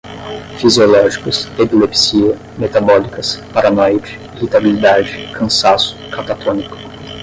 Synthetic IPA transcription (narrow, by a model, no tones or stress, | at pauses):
fiziolɔʒikʊsepilepsiɐ | met̪abɔlikɐspaɾanɔjd͡ʒɪ̥ | ihit̪abilid̪ad͡ʒɪkʰɐ̃sasʊ̥kat̪at̪ʰõnikʊ̥